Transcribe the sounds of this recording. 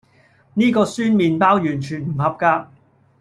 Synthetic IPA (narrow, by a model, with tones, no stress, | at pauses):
niː˥kɔː˧syː˥nmiː˨npaː˥wjyː˨˩nt͡ʃʰyː˨˩nm̩˨˩hɐ˨p̚kaː˧